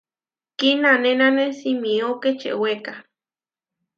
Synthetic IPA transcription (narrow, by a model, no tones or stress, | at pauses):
kinanenanesimioket͡ʃḛʔweka